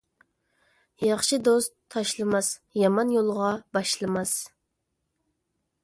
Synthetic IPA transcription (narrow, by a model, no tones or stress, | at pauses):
jɑχʃɨd̪ost̪ʰːɑʃlˠɨmɑsjɑmɑnjolˠʁɑbɑʃlˠɨmɑs